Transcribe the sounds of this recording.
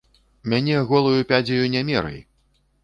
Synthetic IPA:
mʲanʲɛɣɔlˠujupʲad͡zʲijunʲamʲɛɾɨ̰j

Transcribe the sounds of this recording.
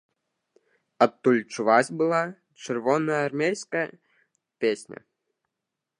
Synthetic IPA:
ɐt̪ːulʲt͡ʃuʋɑsʲbɨlˠɑ | t͡ʃərvɔnəjɐrmʲejskəjə | pʲesʲnʲɐ̰

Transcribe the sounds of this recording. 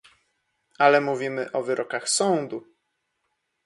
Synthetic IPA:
alɛmuvʲimɘʔɔvɘɾʔɔkaxsɔnd̪u

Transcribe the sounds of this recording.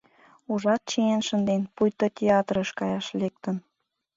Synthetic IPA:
uʒɑt̪̚t͡ɕienʃənd̪enpujt̪otʲeɑt̪rəʃkɑjɑʃlek̚t̪ən

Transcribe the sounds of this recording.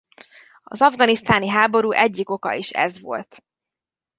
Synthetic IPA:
ɒ̰zɒvɡɒnist̪aːniɦaːbo̞ɾuːʔɛɟːiko̞kɒ̰iʃɛ̰zʋo̞lt̪

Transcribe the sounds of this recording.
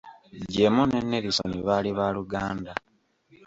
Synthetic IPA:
ɟemone̞nːe̞ɾiso̰niβaːliβaluɡaːnda

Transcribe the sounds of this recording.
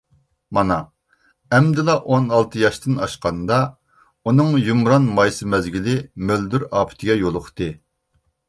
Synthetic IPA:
mɑnɑ | ɛmd̪ɪlˠɑʔonɑlˠt̪ʰɨjɑʃt̪ʰɨnɑʃqɑnd̪ɑ | unɨŋjumɾɑnmɑjsɨmɛzɡʲilɪmøld̪yɾɑːpʰɪ̥t̪ʰɪɡʲɛjolˠʊχt̪ɨ

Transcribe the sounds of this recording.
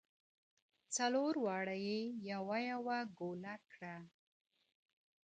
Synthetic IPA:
t͡saloɾwɑɽajejawajawaɡolakɽa

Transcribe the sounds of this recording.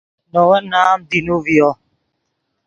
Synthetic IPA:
nɔwɛnaːmd̪inuviɔ

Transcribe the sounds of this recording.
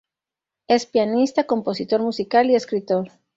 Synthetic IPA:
e̞spjanist̪ako̞mpo̞sit̪o̞ɾmusikalie̞skɾit̪oɾ

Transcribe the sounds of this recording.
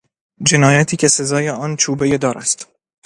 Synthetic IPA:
d͡ʒe̞nɒːjæt̪ʰiːcʰʲe̞se̞zɒːje̞ɒːnt͡ʃʰuːbeje̞d̪ɒːɾæ̰st̪

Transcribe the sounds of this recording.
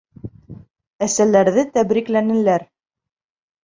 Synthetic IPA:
æsælæɾðɘt̪æbɾiklænɘ̆læɾ

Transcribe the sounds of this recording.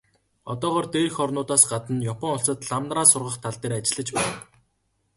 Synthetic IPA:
ɔt̪ɔːʁɔːrt̪eːxɔrnʊːt̪aːsɢat̪ə̆njɔpʰɔŋʊɬt͡sə̆t̪ɮamnraːsʊrʁə̆χt̪ʰaɮt̪eːɾat͡ɕɪ̆ɮə̆t͡ɕpæːn

